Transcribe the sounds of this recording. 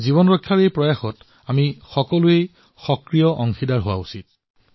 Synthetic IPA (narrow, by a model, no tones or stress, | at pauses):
zibɔnɹɔkʰːjaɹejpɹɔjaxɔt | amixɔkɔlʊej | xɔkɹijɔʔɔŋxidaɹɦowa̰usit̚